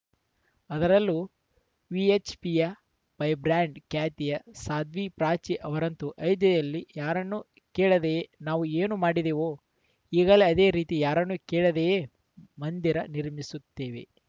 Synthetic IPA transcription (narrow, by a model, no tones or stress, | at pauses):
ɐd̪ɐɾɐlːu | ʋiet͡ʃpijɐ | pɐjbɾaːɳɖkaːt̪ijɐsaːd̪ʋipɾaːt͡ʃiʔɐʋɐɾɐnt̪uʔɐjd̪jɐj̪ɐlːijaːɾɐnːu | keːɭɐd̪enaːʋueːnumaːɽid̪eːʋoː | iːɡɐleɐd̪e̞ːɾiːt̪ijaːɾɐnːukeːɭɐd̪ee | mɐnd̪iɾɐniɾmisut̪ːeːʋḛ